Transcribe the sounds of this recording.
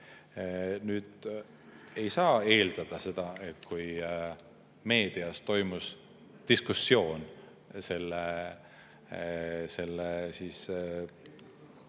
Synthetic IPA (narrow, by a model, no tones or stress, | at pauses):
nyːd̪̥ | e̞jsɑːe̞ːld̪̥ɑd̪̥ɑse̞d̪̥ɑe̞t̪ˑkʰuj | me̞ːd̪̥iɑst̪o̞jmus | d̪̥iskusːjo̞ːn | se̞lːe | se̞lːesiːs